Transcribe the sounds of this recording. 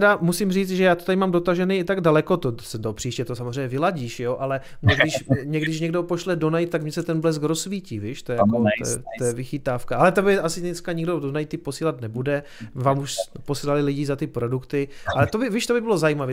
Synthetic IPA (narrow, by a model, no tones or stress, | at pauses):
ɛdamusimriːt͡s̪ʒɛjaːt̪ot̪adɪmaːmdo̞t̪aʒɛniːt̪aɡdalɛko̞t̪osɛdopr̥iːʃcɛt̪osamozr̝ɛjɲɛvɪlaɟiːʃjoʔalɛ | mɲɛɡdɪʃmɲɛɡdɪʃɲɛɡdo̞po̞ʃlɛdonajt̪̚t̪ːakmɲɛsɛt̪ɛnblɛskɾosviːciːviːʃt̪ojɛjako̰ɛ̰t̪ojɛvɪxɪt̪aːfkaʔalɛt̪obɪʔasɪnɛskaɲɪɡdodonajt̪ɪpo̞siːlat̪nɛbudɛ | vaːmuʃpo̞siːlalɪlɪɟɪzat̪ɪpɾo̞dukt̪ɪʔalɛt̪obɪviːʃt̪obɪbɪlozajiːmavɛ